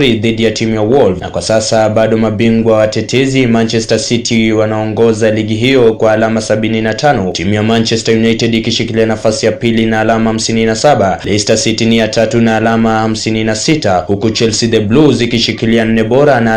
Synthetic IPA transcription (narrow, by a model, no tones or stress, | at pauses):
ɾiðiɗijatimujawɔlvna̰kwasasaɓaɗɔmaɓiŋɡwawatɛtʰɛzimant͡ʃɛstasitʰiwanaɔŋɡɔzaliɠiɦijɔkwaːlamasaɓininatʰanɔtimujamant͡ʃɛstajunajtɛdikiʃikilianafasijapilinaːlamaham̩sininasaɓalɛstasitiniatatunaːlamaham̩sininasitahukut͡ʃɛlsid̪ɛbluzikiʃikilian̩ːɛɓɔɾana